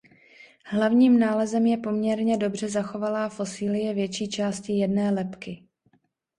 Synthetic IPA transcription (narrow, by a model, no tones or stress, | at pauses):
ɦlavɲiːmnaːlɛzɛmjɛpo̞mɲɛɾɲɛdo̞br̝ɛzaxo̞valaːfo̞sɪːlɪjɛvjɛt͡ʃiːt͡ʃaːscɪjɛdnɛːlɛpkɪ